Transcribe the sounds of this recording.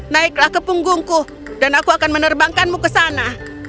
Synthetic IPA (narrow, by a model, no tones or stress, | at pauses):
naɪklahkəpuŋɡʊŋku | danakuakanmənərbaŋkanmukəsana